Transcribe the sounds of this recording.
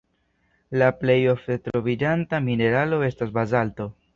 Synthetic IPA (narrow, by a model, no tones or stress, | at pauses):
laple̞jo̞fdetɾo̞vid͡ʒantamine̞ɾalo̞e̞stasbazalto